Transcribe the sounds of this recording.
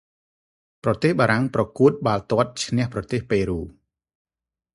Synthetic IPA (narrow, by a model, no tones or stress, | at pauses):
prɑt̪eːhɓaːɾaŋprɑkuət̪̚ɓaːlt̪ŏət̪̚t͡ɕʰnɛ̆əhprɑt̪eːhpeːɾuː